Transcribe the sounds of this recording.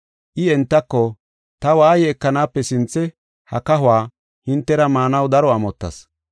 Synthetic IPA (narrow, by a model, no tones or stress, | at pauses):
ʔɪɛnt̪ːɐkːɔ | t̪ɐwaːjɛːkːɐnaːpːɛsɪnt͡sːɛ | hɐkɐɦʊwaː | hɪnt̪ːɛɾɐmaːnɐwd̪ɐɾɔɐmɔt̪ːɐ̰s